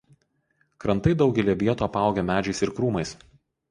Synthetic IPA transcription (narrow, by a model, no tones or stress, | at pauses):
kɾɐnt̪ɐɪd̪ɒʊɡʲɛlʲiɛʋʲiɛt̪oːɐpɑˑʊɡʲɛmʲæːd͡ʒʲɛɪsɪɾkɾuːmɐɪs